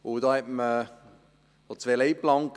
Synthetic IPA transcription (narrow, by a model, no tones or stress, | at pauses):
ʊd̪ɔːhɛtmə | ɔt͡sveːleɪplɑŋk